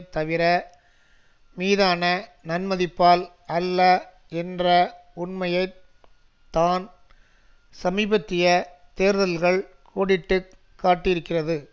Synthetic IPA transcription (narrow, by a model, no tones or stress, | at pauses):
t̪ɐʋɪɾɐ | miːðaːnɐnɐnmɐðɪpːaːl | ɐlːɐ | ɛndrɐʊnmɐjɐɪ | t̪ːaːn | sɐmiːbɐt̪ːɪjɐt̪eːɾðɐlɣɐɭkʰoːɽɪʈːɯkːaːʈːɪjɪɾɯkːɪrɐðɯ